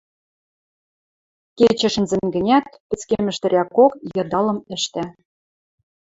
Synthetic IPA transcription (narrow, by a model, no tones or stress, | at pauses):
ket͡ɕɘ̆ʃɘ̆nzɘ̆nɡɘ̆nʲæt̪pɘ̆t͡skemɘ̆ʃt̪ɘ̆ɾʲækokjɤ̆d̪ɑlɤ̆mɘ̆ʃt̪æ